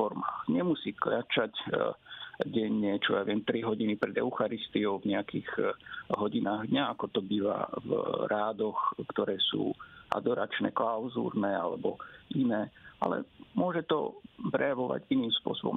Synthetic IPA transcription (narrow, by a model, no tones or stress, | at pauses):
ɔɾmaːxɲɛmusiːklat͡ʃac | ɟɛɲːɛt͡ʃɔja̰ʋɪɛmt̪ɾiɦɔɟinipɾɛd̪ɛ̰ʊxaɾist̪iɔʊvɲɛakiːɣɦɔɟinaːɣd̪ɲaakɔt̪ɔbiːʋa̰vɾaːd̪ɔxkt̪ɔɾɛːsṵːʔa̰d̪ɔɾat͡ʃnɛ̰klaʊzṵːɾnɛːalɛ̰bɔʔinɛːa̰lɛ̰mʊɔʒɛt̪ɔ̰pɾɛjaʋɔʋa̰ɟiniːmspʊɔ̰sɔbɔ̰m